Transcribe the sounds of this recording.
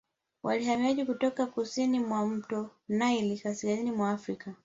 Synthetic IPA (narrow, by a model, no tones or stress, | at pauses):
wʔa̰lihamiaʄikutɔkakusinimwam̩tɔnailikasilazinimwaːfɾika